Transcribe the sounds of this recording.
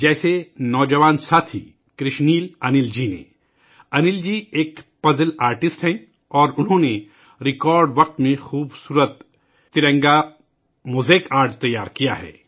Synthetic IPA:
d͡ʒɛːsenɔːd͡ʒɐʋaːnsaːt̪ʰi | kɾɪʃniːlɐnɪld͡ʒiːnḛ | ɐnɪld͡ʒiːeːkpɐzəlaːɾʈɪsʈɦɛ̃ | ɔːɾʊnɦõne | ɾɪkɔːɾɖʋɐq̚t̪mẽxuːbsuːɾət̪ː | ɪɾə̃ŋɡa | muːzeːkaːɾʈt̪ɐjːaːɾkija̰ɦɛ̰ː

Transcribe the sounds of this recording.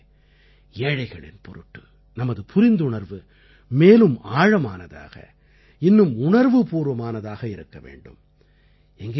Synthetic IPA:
eːɻɐɪɣɐɭɪ̰npɔɾɯʈːɯ | nɐmɐðɯpʊɾɪnd̪ʊɳɐɾʋɯ | meːlɯmaːɻɐmaːnɐða̰ːɣɐ̰ | ɪnːɯmʊɳɐɾʋɯpuːɾʋɐmaːnɐðaːɣɐɪɾɯkːɐʋḛːɳɖɯ̰m | ɛŋɡe

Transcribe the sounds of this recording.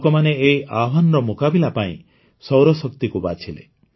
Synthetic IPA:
kɔmaneeiʔaɦanɔɾɔmukabilapaḭ̃ | sɔwɾɔsɔkt̪ikubat͡ʃʰilḛ

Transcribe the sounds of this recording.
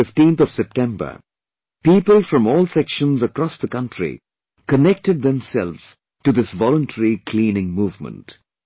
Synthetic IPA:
ɪfʈĩnt̪ɔv̥sɛp̚ʈɛ̃mbə̰˞ | piːpəlˠfɾʌ̃mɔːlˠsɛkʃə̃nzəkɾɔsðəkʌ̃nʈɾḭ | kənɛk̚ʈɨɖ̚ðɛ̃msɛlʋz̥ | ʈud̪ɪsʋɔlə̃nʈʰəɹikʰlĩːnɪ̃ŋmuːvmə̰̃nt

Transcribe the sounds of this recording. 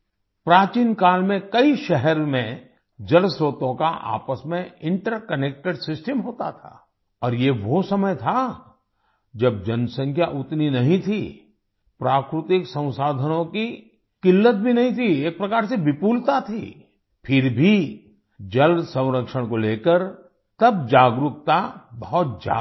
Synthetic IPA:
pɾaːt͡ʃiːnkaːlmẽkɐiʃɛɦɛɾmẽ | d͡ʒɐlsoːt̪õka̰ʔa̰ːpəsmẽɪ̃ɳʈəɾkəneːk̚ʈeɖsɪsʈəmɦoːt̪a̰t̪ʰa̰ː | ɔːɾjeʋosɐməjt̪ʰa | d͡ʒɐb̚d͡ʒɐnsə̃ŋkʰjaʔʊt̪ninɐɦĩt̪ʰi | pɾaːkɾɪt̪ɪksə̃w̃saːd̪ʱənõki | kɪlːət̪̚bʱinɐɦĩt̪ʰieːk̚pɾɐkaːɾsebɪpuːlt̪at̪ʰḭː | pʰɪɾbʱi | d͡ʒɐlsə̃w̃ɾəkʃəɽ̃koleːkəɾ | t̪ɐbd͡ʒaːɡɾʊk̚t̪abɐɦʊt̪̚d͡ʒa̰ː

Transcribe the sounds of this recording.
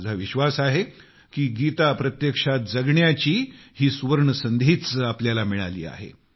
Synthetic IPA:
d͡zʱaʋiɕʋasaɦe | kiːɡit̪apɾət̪jəkʂat̪̚d͡zəɡɳjat͡ɕiːhiːsuʋəɾɳəsənd̪ʱiːt͡sapljalamiɭa̰lḭːa̰ɦḛ

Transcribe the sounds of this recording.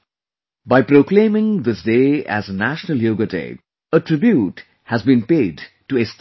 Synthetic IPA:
baɪpɾoːklẽːmɪ̃ŋd̪ɪsdeːæ̰znæʃnəlˠjoːɡətḛː | əʈɾɪbjuʈ | hæzbĩnpeːɖ | ʈuest

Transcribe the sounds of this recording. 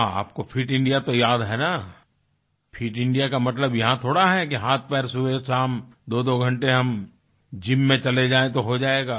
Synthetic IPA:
ɦãa̰ːp̚kopʰiːʈɪ̃ɳɖijat̪ojaːd̪ɦɛna | pʰiːʈɪ̃ɳɖijakamɐt̪ləbjɐɦãt̪ʰoːɽaɦɛkiɦaːt̪̚ʰpɛːɾsuesaːmd̪oːd̪oɡʱɐ̃ɳʈeɦɐm | d͡ʒɪmːẽt͡ʃɐled͡ʒaːẽt̪oɦod͡ʒaːeːɡaː

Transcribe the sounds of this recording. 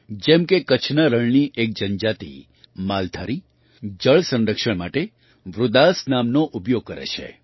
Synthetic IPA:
d͡ʒɛmkekət͡ʃʰnaɾəɭniʔek̚d͡ʒənd͡ʒat̪ḭ | malt̪ʰaɾi | d͡ʒəɭsə̃nɾəkʃəɳmaʈe | ʋɾʊd̪asnamnoʔupjoɡ̚kəɾḛt͡ʃʰḛ

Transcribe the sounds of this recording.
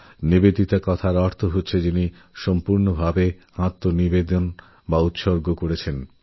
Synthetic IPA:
nibed̪it̪akɔt̪ʰaɾɔɾt̪ʰoɦot̪ːɕʰed͡ʑini | ʃɔmpuɾnobʱabehãt̪ːonibed̪on | baut̪ʃoɾɡokoɾet͡ɕʰen

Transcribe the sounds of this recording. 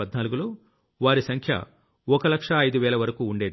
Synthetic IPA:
ɐd̪naːluɡulo̞ː | ʋaːɾisɐŋkʰjɐ̰ | ɔkɐlɐkʂɐːjd̪uʋɛːlɐʋɐɾɐkuːuɳɖe̞ːd̪i

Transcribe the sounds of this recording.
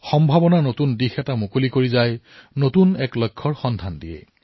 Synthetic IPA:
xɔmbʱabɔnanotundixɛtamokolikoɹizaj | notunɛklɔjkʰːɔɹxɔndʱandijɛ̰

